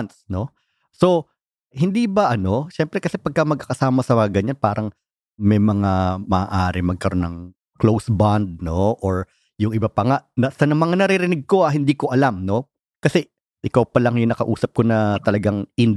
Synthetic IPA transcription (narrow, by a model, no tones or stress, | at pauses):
nsno̞ | so̞ | hɪnd̪iːbɐʔɐno̞ʃɛmpɾɛkɐsɛpɐɡ̚kɐmɐɡ̚kakɐsaːmɐsɐmɡɐɲanpaːɾɐŋ | mɛjmɐŋamɐʔa̰ːʔaːɾɪmɐɡ̚kɐɾo̞nːɐŋ | klowsband̪̚no̞ʔoɹ | jʊŋʔɪbapɐŋaʔnɐsɐnɐmɐŋanɐɾɪɾɪnɪɡ̚ko̞ʔɐɦɪnd̪iːko̞ʔɐlamno̞ | kɐsɛ | ʔɪkawpɐlɐŋjʊŋnɐkɐʔuːsɐp̚ko̞nɐt̪ɐlɐɡaŋʔɪn